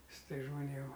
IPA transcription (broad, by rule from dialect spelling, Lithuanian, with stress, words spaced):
ˈsʊ ˈtɐɪs ʒmoːˈnʲeːm